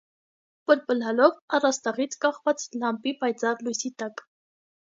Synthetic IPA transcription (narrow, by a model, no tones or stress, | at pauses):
pəɾpəlɑlɔvɑrɑst̪ɑʁit͡sʰkɑχvɑt͡slɑmpipɑjt͡sɑɾlujsit̪ɑk